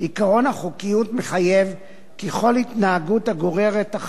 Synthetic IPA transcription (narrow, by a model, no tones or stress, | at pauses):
ikaʁo̞naχukijutmeχaje̞v | keχo̞lhitnaːɡutaɡo̞ʁeʁeta